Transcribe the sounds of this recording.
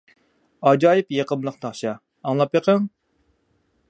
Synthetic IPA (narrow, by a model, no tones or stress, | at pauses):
ɑd͡ʒɑːjɪpjeqəmlˠəqt̪ʰɑχʃɑː | ŋlˠɑpjeqəŋ